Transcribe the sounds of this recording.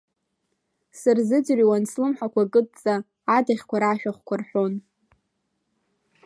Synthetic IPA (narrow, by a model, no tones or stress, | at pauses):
sɨrzɨd͡zriwanslɨmħakʷakʼɨtʼt͡sʼaː | daχʲkʷaɾaʃᶣaχʷkʷʰarħʷᶣo̞n